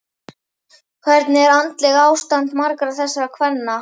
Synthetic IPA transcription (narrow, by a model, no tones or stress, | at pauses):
kʰvɛɾt̪nɪɛɾant̪lɛɣaaːwst̪ant̪maɾkɾaθɛsːaɾakʰvɛnːa